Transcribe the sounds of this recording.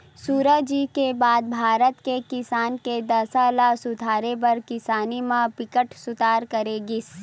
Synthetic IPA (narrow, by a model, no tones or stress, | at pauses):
suːɾəɦd͡ʒiːkebaːd̪̚bʱaːɾət̪kekɪsaːnked̪ɐsalasʊd̪ʱaːɾepɐɾkɪsaːnimãpɪkəʈsʊt̪aːɾkəɾeɡɪs